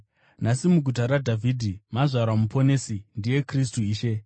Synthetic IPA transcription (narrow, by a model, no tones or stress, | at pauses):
nasimuɡʱut̬aɾadʱavʱidʱimaʐʷaɾwamupo̞ne̞sindije̞kristuiːʃe̞